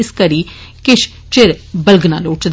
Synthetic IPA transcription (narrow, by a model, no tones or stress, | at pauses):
ɪskəɾiːkɪʃ | t͡ʃɪɾbəlɡna̰ːloːʈd̪